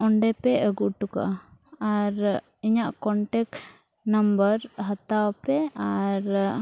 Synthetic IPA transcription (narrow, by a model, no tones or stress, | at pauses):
ɔɳɖɛpɛʔəɡuʔʈuka̰ʔaaɾ | iɲaʔkɔɳʈɛk | nəmbəɾɦət̪awapɾɛaɾ